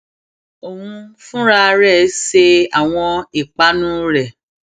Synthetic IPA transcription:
o˨hũ˧fũ˦ɾa˧ɾɛ˦˨˦se˧a˨w̃ɔ̃˧i˨k͡pa˨˦nũ˦ɾɛ˨

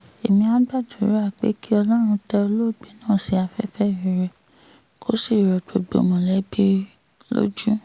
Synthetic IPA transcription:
e˨mĩ˧a˨˦ɡ͡ba˦˨du˨˦ɾa˦˨k͡pḛ˨˦ki˦ɔ˧lɔ̃˦ɾ̃ũ˧tɛ˧o˧lo˦˨ɡ͡bi˨˦nãː˦˨si˧˦a˧fɛ˦fɛ˦˨i˨ɾɛ˨ | kʰo˦si˦˨ɾɔ˨to˨ɡ͡bo̰˨mɔ̃˨lɛ˨˦bi˦ | lo̰˦d͡ʒu˦

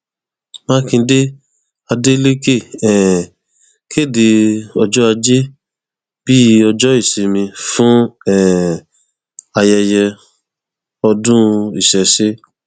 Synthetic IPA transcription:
mã˦kĩ˧˦de˦ | a˧de˦le˦ke˦˨ɛ˨ | kʰe˦˨de˧˦ɔ˧d͡ʒɔ˦a˧d͡ʒe˦ | b̥i˦ɔ˧d͡ʒɔ˦i˦˨ʃi˨˦mĩ˧fũ˦ɛ˦˨ | a˧jɛ˧jɛ˧ | ɔ˧dũ˦i˦˨ʃɛ˨ʃe˦

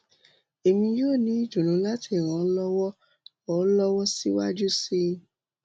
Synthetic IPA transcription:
e˨mĩ˧joː˦˨nĩ˨˦i˦˨d͡ʒũ˨ɾũ˨˦la˦tʰi˦˨ɾ̃ã˨˦lɔ˦wɔ˦ | ɔ˨˦lɔ˦wɔ˦si˦wa˦d͡ʒu˦si˦

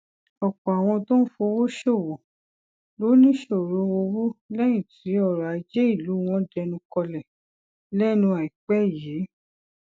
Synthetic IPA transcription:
ɔ˨kɔ˨a˨w̃ɔ̃˧to˦n̩˦fo˧wo˦ʃo˦˨wɔ̃˨ | lo˨˦nĩ˦ʃo˦˨ɾõ˧˦wo˧wo˦lɛ˦j̃ĩ˦˨ti˨˦ɔ˦˨ɾa˨˦d͡ʒe˦i˦˨lu˨˦w̃ɔ̃˧˦dɛ˧nũ˧kɔ˧lɛ˨ | lɛ˦nũ˧a˨i˨k͡pɛ˦˨jeː˨˦

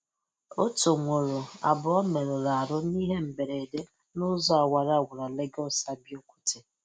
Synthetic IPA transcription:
o˦to˨ŋʷo˨ɾo˨a̰˨bʊ˨ɔ˦me˨ɾʊ˨ɾa˨a˨ɾʊ˦ni˦ɦe˦m̩˨be˨ɾe˨de˦ | nʊ˦zɔ˦a˨wa˨ɾa˦˨wʊ˨ɾa˨le˦ɡɔ˦sa˦bjo˦kʷu̥˦tʰe˨

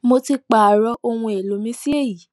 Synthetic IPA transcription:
mo˧ti˧k͡pa˨ɾɔ˧ʔo˧w̃ũ˧e˨lo˨˦mĩ˦si˦e˦˨ji˨˦

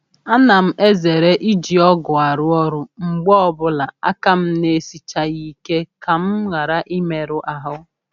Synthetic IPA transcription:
a˦na˨m̩˦ʔe˦ze˨ɾe˦ʔi˦d͡ʒi˨ɔ˦ɡʊ˨a˨ɾʊ˦ɔ˦ɾʊ˦ŋ͡m̩˨ɡ͡bɔ˦ɔ˦bʊ˦la˨a̰˦ka˦m̩˦ne˦si˨t͡ʃa˦ɣi˦ke˦ka˨m̩˦ɣa˨ɾa˦ʔi˦me˨ɾʊ˦ʔa˨ɦʊ˦

